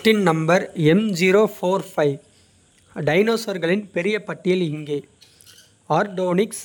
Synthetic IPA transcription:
ʈɪnnɐmbɐɾɛmd͡ʒiːɾoːfoːɾfɐɪʋ | ɖɐɪnoːsɐɾɣɐɭɪnpɛɾɪjɐpɐʈːɪjɪlɪŋɡeː | aːɾɖoːnɪks

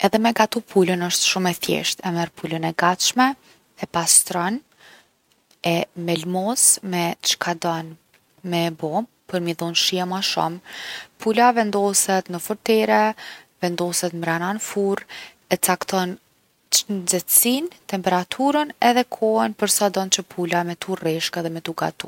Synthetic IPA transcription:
ɛðɛmɛɡat̪upʰulənəʃt̪ʃumɛθjɛ̰ʃt̪ɛmɛɾpʰulənɛɡat̪ʃmɛ | ɛpast̪ɾɔn | ɛmɛlmɔsmɛʃkʰad̪ɔn | mɛbɔm | pəɾmiðunʃiɛmaʃṵmpʰulavɛnd̪ɔsɛt̪nəfɔɾt̪ɛɾɛvɛnd̪ɔsɛt̪mɾananfuɾ | ɛt͡sakt̪ɔn | nd͡zɛt̪sint̪ɛmpɛɾat̪ʰuɾənɛðɛkʰɔɛnpəɾsad̪ɔnt͡ɕəpʰulamɛt̪urɛʃkaðɛmɛt̪uɡa̰t̪u

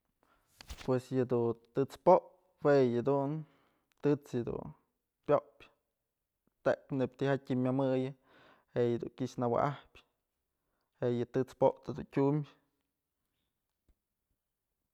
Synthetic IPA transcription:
pwesjɨd̪ut̪ɨt͡spoʔ | wejɨd̪un | t̪ɨt͡sjɨd̪ṵn | pʲjoʔpʲ | t̪eʔkneb̥̚ʲt̪ihat̚ʲimʲamɨjɨ | heʔjɨd̪ṵŋkʲiʔʃnawa̰ʔahpʲ | heʔjɨt̪ɨt͡spoʔt̪ad̪ṵntʲumʲ

